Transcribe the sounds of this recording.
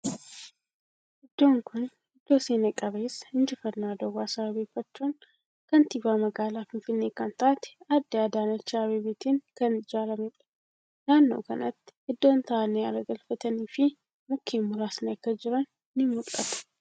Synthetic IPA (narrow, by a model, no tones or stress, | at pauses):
ʔɪd̪ːoːŋkʰʊn | ɪd̪ːoːseːnɐkʼɐβeːsɪnd͡ʒɪfɐnːaːd̪ɔɡaːsɾɐbeːfːɐt͡ʃːun | kɐnt̪iːbaːmɐɡaːlaːfɪnfɪnːeːkant̪aːt̪ad̪ːɪad̪aːnɐt͡ʃːaːβeːbeːt̪ʰinkɐnɪd͡ʒaːlɐmɪtʼ | naːnːɐ̰wkɐnɐt̪ːʔɪd̪ːont̪ʰaːnejalɐɡɐlfɐt̪ɐniːfi | mʊkʰːeːmːʊɾaːsnɐkːɐd͡ʒɪɾɐnː | ɪmːʊlʼːɐ̰t̪